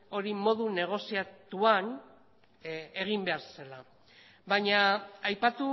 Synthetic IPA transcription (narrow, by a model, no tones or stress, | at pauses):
o̞ɾimo̞ðune̞ɣ̞o̞siat̪uan | e̞ɣimbe̞aɾsela | βaɲaajpat̪u